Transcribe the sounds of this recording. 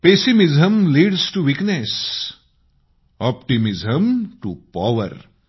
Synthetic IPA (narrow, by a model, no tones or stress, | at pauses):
pesimizə̃mliːɖzʈuʋiknes | ɔpʈimɪzə̃mʈupaʋə̰ɾ